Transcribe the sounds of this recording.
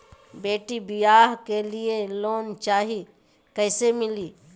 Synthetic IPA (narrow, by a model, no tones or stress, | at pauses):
beːʈibɪjaːɦkelieloːnt͡ʃaːɦi | kəɪsemɪliː